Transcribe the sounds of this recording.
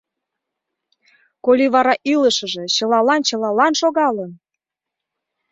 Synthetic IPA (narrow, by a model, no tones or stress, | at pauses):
kolʲiβɑɾɑʔiləʃə̆ʒet͡ɕə̆lɑlɑnt͡ɕəlɑlɑnʃoɣɑlən